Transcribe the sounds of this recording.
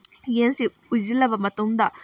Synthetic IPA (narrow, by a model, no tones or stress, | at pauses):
jɛnsi | uzilɐpːɐmɐt̪umd̪a